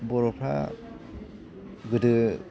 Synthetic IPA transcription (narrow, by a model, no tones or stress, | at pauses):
bɔɾɔpʰɾa̰ | ɡɯdɯ